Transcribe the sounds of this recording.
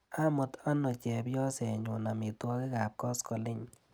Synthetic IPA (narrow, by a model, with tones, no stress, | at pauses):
a˦mʊ˨t̪a˦nɔ˨t͡ʃɛ˨bjɔ˦sɛ˨ɲʊ˨na˨mɪ˨t̪wɔ˦kɪ˦ka˨p̚kɔ˦skɔ˨lɪ˦ɲ